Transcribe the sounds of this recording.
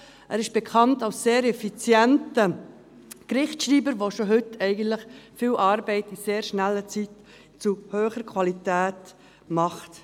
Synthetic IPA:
ʔæːɾɪʃb̥ɛkʰɑntɑlsːeːɾɛfit͡sjɛntə | kɾɪχtʃɾiːbəɾʋoʃoɦʏtʰɛɪɡən̩tlɪχfiːlʔɑːɾbɛɪtiseːɾʃnælːət͡sit | t͡suhøːχəɾkʰvɑlitæːt | mɑχt

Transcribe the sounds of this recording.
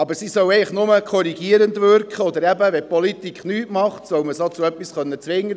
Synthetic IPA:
ɑbəɾsisœwɛɪləχnʊməkʰɔɾiɡ̥iəɾəndʋʏɾkχəɔd̪əɾɛbəʋɛpɔlit̪ikχnyːtmɑχt̪sœwməsot͡suœpːisχœnːət͡sʋɪŋːə

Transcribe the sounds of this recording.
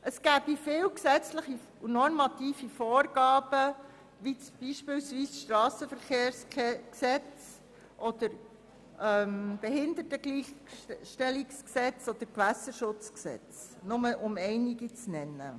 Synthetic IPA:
ʔəsɡ̥æːb̥ifɪːwksɛt͡sləχi | unɔɾmɑt̪iːfifɔːɾɡ̥ɑːb̥ə | ʋit͡sb̥iːʃpɪːlsʋiːsʃtɾɑːsəfəɾχeːɾskksɛt͡s | ʔɔd̥əɾ | ʔɛmb̥ɛɦɪnd̪ətəɡliːχʃtɛliksksɛt͡sɔd̪̥əɾkʋæsəʃʊt͡sksɛ̰t͡snʊməʔʊmɛɪniɡit͡snɛnːə̰

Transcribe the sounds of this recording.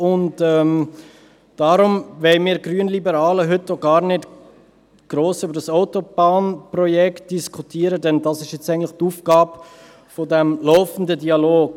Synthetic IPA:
ʊntɛm | d̥ɑɾʊmʋɛɪmiːɾɡɾyənlibəɾɑːləɦʏtːoɡɑːɾnɪt | ɡ̥ɾoːsʏbəɾdɑsaʊtob̥ɑːnprɔjɛkt̚d̥iskʰutiːəɾədɛndɑsɪʃjɛt͡sɛɪɡŋntlɪχtuːfɡ̥ɑːb | fodɛmlɔʊfən̩dədiɑloːɡ

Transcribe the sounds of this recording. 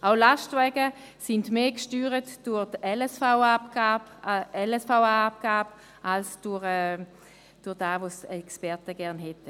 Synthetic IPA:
aʊlaʃtvɛːɡə | sindmeːkʃtyːʁətd̥ʊʁdɛlɛsfaʊapɡabɛlɛsfaʊaap̚ɡ̥aːb | alsd̥ʊʁɛ | d̥ʊʁd̥aːvosɛkspɛʁtəɡɛɐʁnɦɛtə

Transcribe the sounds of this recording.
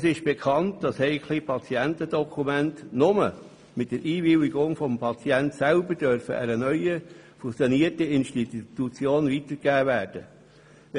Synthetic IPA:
əsɪʃb̥ekʰɑntd̥ɑshɛɪkʰχliːpʰɑt͡siɛntədɔkʰumæntnʊmə̰ | mɪt̚d̥əɾʔiːvɪwiɡʊŋfɔmpʰɑt͡siɛntsælbəɾd̥œɾfə̰ʔæ̰ɾənœʏə | fusjoniərtəɪnʃtittut͡sjoːnvitəɾkæːvæːɾd̥ə

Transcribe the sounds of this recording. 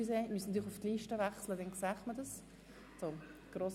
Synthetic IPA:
ysemyəsnɑt̪yːləχuftliːʃtəʋæχslədɛnksɛχmədəs | so | ɡ̥ɾoːs

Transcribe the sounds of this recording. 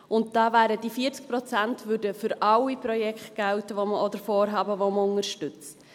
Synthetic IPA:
ʊnt̚d̥ɑːvæːɾəd̥ifiəɾt͡sk̚pɾɔt͡sæntvʉdəfʏɾʔɑwipɾɔjɛkχtɡ̥ɛlwtəʋoməɔd̪əɾfɔːɾɦɑːbəvoməʊŋəɾʃtʏt͡s

